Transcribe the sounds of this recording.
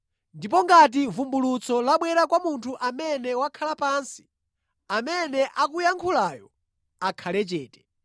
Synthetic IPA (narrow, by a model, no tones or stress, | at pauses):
ndip̬ɔŋɡat̬ivumbulut͡sʰɔlaɓwɛɾakwamuntʰuʔamɛnɛwakʰalapaːnsi̥ | amɛnɛʔak̬ujaŋkʰulaːjɔ | akʰalɛt͡ʃɛːtɛ̥